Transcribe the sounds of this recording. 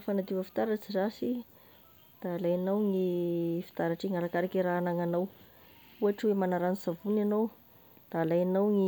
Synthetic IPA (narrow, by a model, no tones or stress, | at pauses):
fanad̪ivəfi̥t̪aɾat͡sizasi | d̪̥aːlajanawŋifi̥t̪aɾaʈ͡ʂiŋaɾakaɾakiɾaːnaŋanaw | uaʈ͡ʂwemanaɾanizavunanow | d̪̥aːlajanawŋi